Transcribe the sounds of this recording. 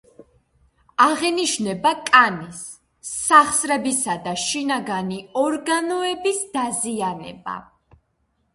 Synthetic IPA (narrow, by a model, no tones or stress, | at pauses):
aʁɛniʃnɛbakʼanisː | aχsɾɛbisad̪aʃinaɡaniɔɾɡanɔɛbisd̪̥azianɛ̰ba̰